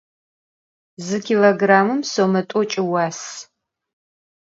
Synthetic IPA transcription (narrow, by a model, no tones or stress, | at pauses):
zɨkʰʲiloɡraːmɨmsomɐtʷʼɔt͡ʃʼɪwaːs